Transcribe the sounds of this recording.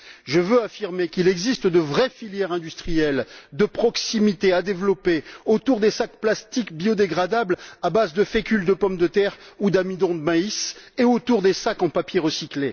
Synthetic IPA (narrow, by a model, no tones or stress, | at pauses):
ʒəvøafiʁmekilɛɡzist̪d̪əvʁɛfiljɛʁɛ̃d̪yst̪χijɛld̪əpχɔksimit̪ead̪evlɔpeot̪uʁd̪esakplast̪ikbjod̪eɡʁad̪ablabazd̪əfekʲyld̪əpɔmd̪ət̪ɛʁud̪amid̪ɔ̃d̪əmaiseot̪uʁd̪esakɑ̃papjeʁəsikle